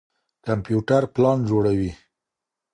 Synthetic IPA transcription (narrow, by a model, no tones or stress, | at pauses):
kampjuʈaɾplɑnd͡ʒoɽawi